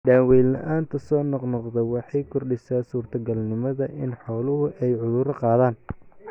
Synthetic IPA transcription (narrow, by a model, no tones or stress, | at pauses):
ɖaːwɛːlɐ̰ʔaːnt̪ʰɐsɔːnɔqnɔqd̪ɛwɑħɑjkʰʊrɖɪsaːsuːrt̪ʰɐɡɐlnɪmɐðɐʔɪnħɔːlʊɦʊʔɛjʕʊðʊɾɐqɑːðaːn